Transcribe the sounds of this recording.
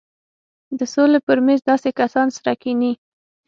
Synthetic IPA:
d̪əsolepəɾmɛnzd̪ɑsekasɑnsɾakini

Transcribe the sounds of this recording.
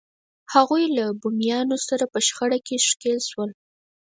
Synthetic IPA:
haɣujlabumjɑnosaɾapəʃxaɽakeʃkelʃwəl

